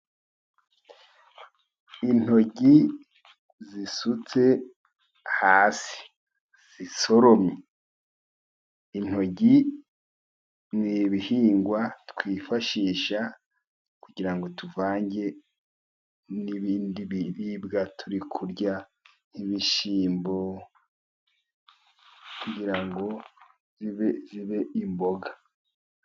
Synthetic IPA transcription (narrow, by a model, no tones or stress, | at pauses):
in̥ho̞ɟi | zisut͡se̞ | haːsi̥ | z̥iso̞ɾomɲe | in̥ho̞ɟi | niβihiːŋɡwatkwiːfaʃiːʃa | kuɟiɾaŋɡo̞tuvaːɲɟe̞ | niβiːndiβiɾibɡatʰuɾikʰuɾɟa | niβiʃiːmbo̞ | kuɟiɾaŋɡo̞ | ziβeziβe̞imbo̞ɡa